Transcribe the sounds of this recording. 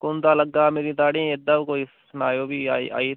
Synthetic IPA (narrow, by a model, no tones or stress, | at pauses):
kʊnt̪aːləɡaːmeːɾiːt̪aːɽĩed̪əʋkoːiːsənaːjoːbiːaːḭa̰ːiː